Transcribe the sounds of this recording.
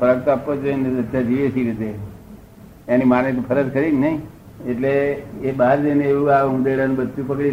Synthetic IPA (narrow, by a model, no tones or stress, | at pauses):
əɾəkt̪oapːot͡ʃeeneəd̪ʱjad͡ʒiʋesiɾet̪e | enimanet̪pʰəɾəd͡ʒkəɾinnəɦĩ | eʈleːbaɾd͡ʒeneeʋuaũd̪eɽanũbəd̪tũpəkɽi